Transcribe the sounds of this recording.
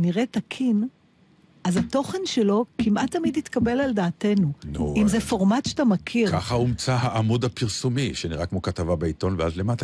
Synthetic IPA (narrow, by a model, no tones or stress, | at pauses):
niʁe̞takʰin | ʔazato̞χe̞nʃelo̞kimʔat̪ːamidit̪kabe̞laldaːte̞nunuʔimzefo̞ʁmatʃe̥tamakʰiʁkaχaumt͡saɦaʔamud̪apiʁsumiʃeniʁakmo̞kat̪avabeit̪o̞nveazlemata